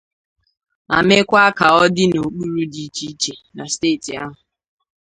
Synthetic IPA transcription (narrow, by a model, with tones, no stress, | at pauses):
a˨me˦kʷa˦ka˨ɔ˦dɪ˦no˨k͡pu˦ɾu˦di˦t͡ʃi˦t͡ʃe˨na˨ste˦˨ti˨a˦ɦʊ˨